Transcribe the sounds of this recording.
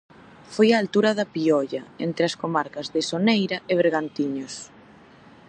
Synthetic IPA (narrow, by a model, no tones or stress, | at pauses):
fojaːlt̪uɾɐðɐpiɔʎɐent̪ɾɪɐskomaɾkɐzðɪsonejɾɐʔɪβ̞eɾɣant̪iɲos